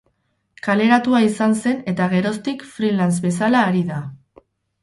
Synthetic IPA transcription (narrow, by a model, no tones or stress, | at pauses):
kale̞ɾat̪uaisanse̞ne̞t̪aɣ̞e̞ɾo̞st̪ikfɾilanz̬be̞salaːɾiða